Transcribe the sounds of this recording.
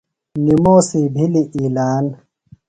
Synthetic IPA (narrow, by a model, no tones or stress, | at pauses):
nimoːsibʱiliʔiːlaːn